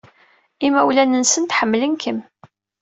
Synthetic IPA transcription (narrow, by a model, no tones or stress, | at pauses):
imæwlænənsənt̪ħəmːlənkʰəm